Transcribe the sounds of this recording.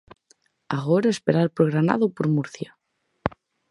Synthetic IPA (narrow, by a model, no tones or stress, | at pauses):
aɣoɾaespeɾaɾpɾoɣɾana̰ðopoɾmuɾθja